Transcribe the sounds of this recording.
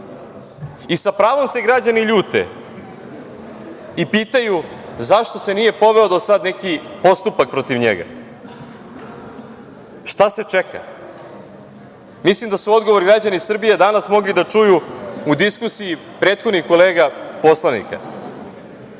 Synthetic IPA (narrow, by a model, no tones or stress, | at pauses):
isapɾaːʋo̞mse̞ɡɾad͡ʑaniʎuːt̪e̞̰ | ipiːt̪ajuzaʃt̪o̞se̞nije̞po̞ʋe̞od̪o̞sad̪nekipo̞st̪upak̚pɾo̞t̪iʋɲḛɡa̰ | ʃt̪ase̞t͡ʂekʰa̰ | mislimd̪asuo̞d̪ɡo̞ʋo̞ɾɡɾad͡ʑanisr̩bijed̪anasmo̞ɡlid̪at͡ʂujuud̪iskusiji | pɾe̞ːt̪xod̪nixko̞le̞ːɡapo̞slˠanḭka̰